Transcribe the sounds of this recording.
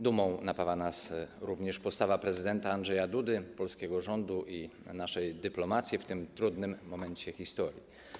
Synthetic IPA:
d̪umɔ̃w̃napavanasɾuvɲɛʂpɔst̪avapɾɛzɘd̪ɛnt̪aːndʐɛjad̪ud̪ɘpɔlskʲɛɡɔʐɔnd̪uʔinaʂɛjd̪ɘplɔmat̪sʲjift̪ɘmt̪ɾud̪nɘmːɔmɛɲt͡ɕɛxʲist̪ɔɾʲjḭ

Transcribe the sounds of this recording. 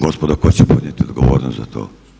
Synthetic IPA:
ɡospod̪akot͡ɕepod̪nɲet̪iod̪ɡoʋoːɾnost̪za̰t̪ʰo̰ː

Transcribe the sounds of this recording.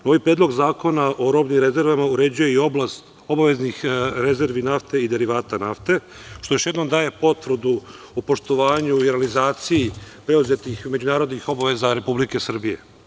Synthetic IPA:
no̞ːʋipɾeːd̪lˠo̞ɡzaːko̞naʔo̞ɾo̞bnimɾe̞ze̞ɾʋamauɾe̞d͡ʑuje̞io̞blast̪ | o̞baʋe̞znixɾe̞ze̞ɾʋinaft̪e̞id̪e̞ɾiʋaːt̪anaft̪e̞ | ʃt̪ojo̞ʃje̞d̪no̞md̪aːje̞po̞t̪vr̩d̪u | upo̞ʃt̪oʋaːɲuiɾealizaːt̪sijipɾe̞uze̞t̪ixme̞d͡ʑunaːɾo̞d̪nixo̞baʋe̞zaɾe̞publike̞sr̩bije̞̰

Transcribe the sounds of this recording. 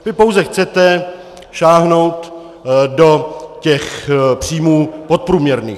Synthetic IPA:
vɪpo̞wzɛxt͡sɛt̪ɛ | ʃaːɦno̞wt̪ | do̞cɛxpr̝̥iːmuːpo̞t̪̚pɾuːmɲɛɾnḭː

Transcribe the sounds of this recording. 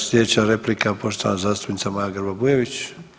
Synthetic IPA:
sʲjʲed̪et͡ɕaɾeplikapo̞ʃt̪oanazaːst̪upnit̪samajaɡəɾbabujeʋit͡ɕ

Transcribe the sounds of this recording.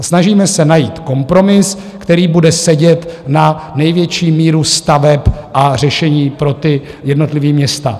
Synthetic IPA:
snaʒiːmɛsɛnajiːt̪ko̞mpɾo̞mɪs | kt̪ɛɾiːbudɛsɛɟɛt̪nanɛjvjɛt͡ʃiːmiːɾust̪avɛpʔar̝ɛʃɛɲiːpɾo̞t̪ɪ | jɛdno̞t̪lɪviːmɲɛst̪a

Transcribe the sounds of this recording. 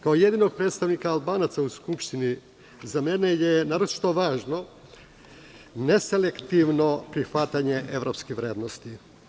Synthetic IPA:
kaoje̞d̪ino̞ɡ̚pɾet̪st̪aʋnikaːlˠbaːnat̪sauskupʃt̪ini | zamene̞jenaːɾot͡ʃi̥t̪o̞ʋaːʒno̞ | ne̞selekt̪iʋno̞pɾixʋat̪aɲe̞ʔeʋɾo̞pskiʋɾeːd̪nost̪i

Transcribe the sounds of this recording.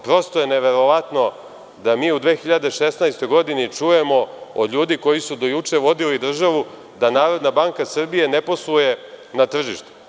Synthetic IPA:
pɾo̞st̪ojeneʋe̞ɾo̞ʋat̪no̞ | d̪amiːud̪ʋe̞ːxiʎad̪e̞ʃe̞snajst̪o̞jɡo̞d̪init͡ʂuje̞mo̞o̰d̪ʎʲuːd̪iko̞jisud̪o̞jut͡ʂe̞ʋo̞d̪ilid̪r̩ʒaʋu | d̪anaːɾo̞d̪nabaŋkasr̩bije̞ne̞po̞sluje̞nat̪r̩ʒiʃt̪u̥

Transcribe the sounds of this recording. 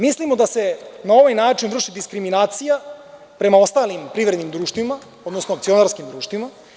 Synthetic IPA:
mislimo̞d̪ase̞nao̞ʋajnaːt͡ʃind̪ɾr̩ʃid̪iskɾiminaːt̪sija | pɾe̞mao̞st̪aːlimpɾivɾe̞d̪nimd̪ɾuːʃt̪vima | od̪no̞snoak̚t̪sio̞naɾskimd̪ɾuːʃt̪ʋima

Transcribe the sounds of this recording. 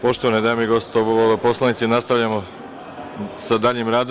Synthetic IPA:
po̞ʃt̪oʋanid̪aːmeiɡo̞st̪oooposlˠanit̪sinast̪aʋʎamo | sad̪aʎimɾaːd̪

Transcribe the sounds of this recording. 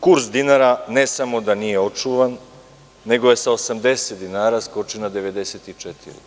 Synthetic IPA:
kuɾsd̪inaɾanesamo̞d̪anije̞o̞t͡ʂuʋanː | e̞ɡoje̞saosamd̪e̞set̪d̪inaːɾaskot͡ʃinad̪eʋed̪eset̪it͡ʂɛt̪ḭɾḭ

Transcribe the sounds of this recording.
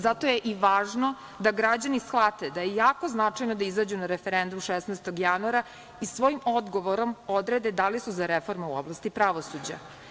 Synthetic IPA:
zat̪o̞jeʔiʋaːʒno̞ | d̪aɡɾad͡ʑanisxlat̪ed̪ajejaːko̞znat͡ʂajnod̪aizad͡ʑunaɾefeɾend̪umʃesnajst̪o̞ɡjanuaɾa | isʋo̞jimo̞d̪ɡo̞ʋoɾo̞mo̞d̪ɾe̞d̪e̞d̪alisuzaɾefo̞ɾmeuo̰blˠast̪ipɾaʋo̞sud͡ʑa̰

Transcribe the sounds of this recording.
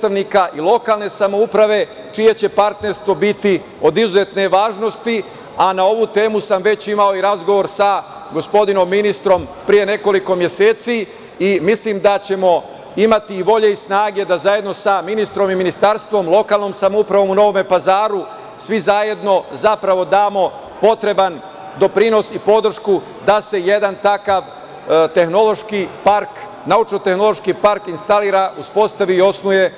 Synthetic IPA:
t̪aʋniːkaʔilo̞kaːlne̞samoupɾaʋe̞ | t͡ʃije̞t͡ɕe̞paɾt̪ne̞ɾst̪ʋo̞bit̪i | o̞d̪izuze̞t̪ne̞ʋaːʒno̞st̪i | anao̞ʋuːt̪e̞ːmusamʋe̞t͡ɕimao̞iɾazɡo̞ʋo̞ɾsa | ɡo̞spo̞d̪ino̞mːinist̪ɾo̞mpɾije̞ne̞ko̞liko̞mje̞se̞ːt̪si | imisliːmd̪at͡ɕe̞mo̞ | imat̪iːʋo̞ʎe̞isnaːɡe̞d̪azaje̞d̪no̞saminist̪ɾo̞miminist̪aɾst̪ʋo̞mlˠo̞kaːlˠno̞msamoupɾaʋo̞muno̞ʋome̞pazaːɾu | sʋizaje̞d̪no̞zapɾaʋo̞d̪aːmo̞ | po̞t̪ɾe̞ban | d̪o̞pɾino̞sipo̞d̪r̩ʃku | d̪ase̞je̞d̪ant̪akaʋ | t̪e̞xno̞lˠo̞ʃkipaɾk | naut͡ʃnot̪e̞xno̞lˠo̞ʃkipaɾkinst̪aliːɾauspo̞st̪aʋiːo̞snuje̞

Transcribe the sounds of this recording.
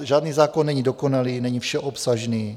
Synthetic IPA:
ʒaːdniːzaːkonːɛɲidoko̞naliːnɛɲifʃɛʔopsaʒniː

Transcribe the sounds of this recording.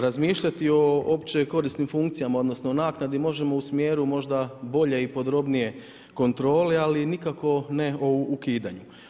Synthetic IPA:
ɾazmiːʃʎat̪io̞opt͡ɕe̞ko̞ɾisnimfuŋkt̪sijamao̞d̪nosno̞onaːknad̪imo̞ʒe̞mo̞usmjeːɾumo̞ʒd̪abo̞ʎe̞ipo̞d̪ɾo̞bnije̞ | ko̞nt̪ɾo̞ːlealinikako̞neoukiːd̪aɲu

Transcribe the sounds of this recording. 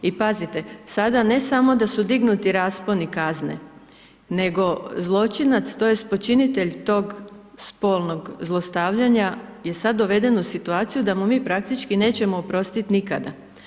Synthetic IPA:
ipazit̪e̞sad̪ane̞samo̞d̪asud̪iɡnut̪iɾaːsponikaznḛ | ne̞ɡo̞zlˠo̞t͡ʃinat̪st̪oje̞spo̞t͡ʃinit̪eʎt̪o̞ːɡspo̞ːlˠno̞ɡzlˠo̞st̪aːʋʎaɲaje̞sad̪ːo̞ʋe̞d̪e̞nusit̪uaːt̪sijud̪amumiːpɾak̚t̪it͡ʃkine̞ːt͡ɕe̞moːpɾo̞st̪it̪nikad̪a̰

